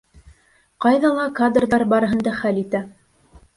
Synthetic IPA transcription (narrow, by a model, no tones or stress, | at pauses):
qɑjðɑlˠɑkad̪rðɑɾbɑɾɤ̆ɦɤ̆nd̪ɑχælit̪æ